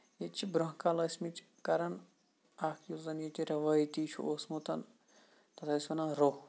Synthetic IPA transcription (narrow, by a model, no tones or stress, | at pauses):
jet͡ʃʰibɾɐɦkalɐsʲmit͡ʃʲ | kɐɾɐn | akʰjuzɐnjet̪ʲiɾɐʋɐjt̪iːt͡ʃʰṵosmut̪ʰɐn | t̪ɐt̪ʰɐsʲʋɐnaɾo